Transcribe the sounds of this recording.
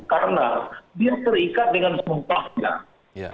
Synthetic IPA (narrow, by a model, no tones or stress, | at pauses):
kaɾənadiat̪ərikat̪̚dəŋansumpahɲa̰